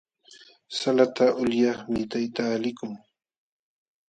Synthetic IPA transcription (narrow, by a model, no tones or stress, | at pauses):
salat̪aʔʊljɑχmɪt̪ajt̪aːlɪkʊŋ